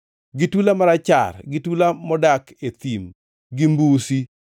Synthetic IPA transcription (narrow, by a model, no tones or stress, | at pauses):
ɡɪtulamaɾat͡ʃa̰rɡɪtulamɔdaket̪im | ɡɪmbusi